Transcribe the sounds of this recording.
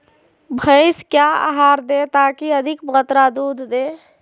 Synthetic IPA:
bʱəɪskjaa̰ɦaɾd̪et̪akiəd̪ʱikbʁət̪ɾad̪ud̪ʱd̪e

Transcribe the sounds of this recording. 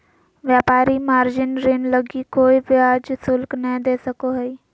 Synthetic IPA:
ʋjaːpaːɾimaːɾd͡ʒɪnɾɪnləɡikoːiʋɪaːd͡ʒsʊlknəĩd̪eːsəkoɦɛiː

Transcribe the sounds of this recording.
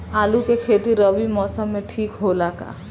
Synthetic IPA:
aːlukekʰeːt̪iɾəʋimɔːsəmːẽʈʰiːkɦolaːka̰ː

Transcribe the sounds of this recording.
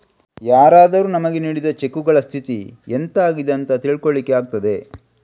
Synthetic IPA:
jaːɾaːd̪ɐɾunɐmɐɡe̞niːɽid̪ɐt͡ʃe̞kːuɡɐɭɐst̪ʰit̪ḭent̪aːɡid̪ɐnt̪ɐt̪iːɭkoɭːikːeaːɡ̚t̪ɐd̪e̞

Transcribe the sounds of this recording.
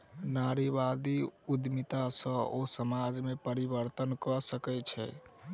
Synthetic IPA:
naɾibad̪iud̪mit̪asə̃osəmad͡ʒmepəɾibəɾt̪ənkɔsəkɛt͡ʃʰɛ̰

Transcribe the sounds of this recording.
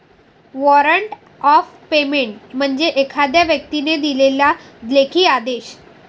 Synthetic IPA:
ʋɔɾəɳʈ | ɔf | pemeɳʈm̤əɳd͡ʑeʔekʰad̪jaʋjək̚t̪ined̪ilelja | d̪lekʰiːad̪eɕ

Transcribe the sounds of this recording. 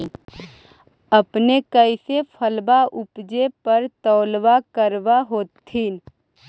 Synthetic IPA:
əpnekəɪsepʰəlbaʔʊpd͡ʒepəɾt̪ɔːlʋakəɾʋaɦoːt̪ʰːiːn

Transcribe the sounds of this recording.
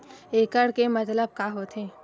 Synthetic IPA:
eːkəɽkemɐt̪ləb̚kaɦoːt̪ɦẽː

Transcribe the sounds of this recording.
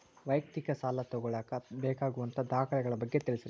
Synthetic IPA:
ʋɐjk̚t̪ikɐsaːlɐt̪ɔɡɔɭaːkɐbeːkaːɡuʋɐnt̪ʰɐd̪aːkʰɐɭɛɡɐɭɐbɐɡːet̪iɭisɐɾ

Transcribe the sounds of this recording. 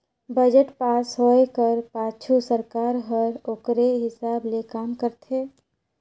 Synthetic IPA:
bəd͡ʒəʈpaːsɦoekəɾpaːt͡ʃʰusəɾkaːɾɦəɾoːkɾeɦɪsaːblekaːmkəɾt̪ʰeː

